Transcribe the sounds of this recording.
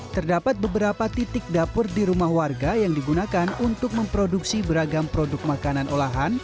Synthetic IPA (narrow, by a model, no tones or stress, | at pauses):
t̪ərdapat̪̚bəbəɾapat̪it̪ɪk̚dapʊrdiɾumahwarɡajaŋdiɡunakanunt̪ʊk̚məmpɾoduksibəɾaɡampɾodʊk̚makananʔolaɦan